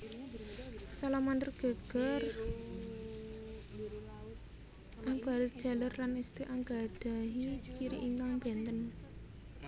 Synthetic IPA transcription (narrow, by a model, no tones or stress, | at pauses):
salamand̪ərɡ̥ə̤ɡ̥ər | ʔaŋb̥a̤ɾɪt̪̚d̥ʒ̥a̤lərlanist̪ɾiʔaŋɡa̤d̥a̤ɦit͡ʃiɾḭʔiŋkaŋb̥ɛnt̪ən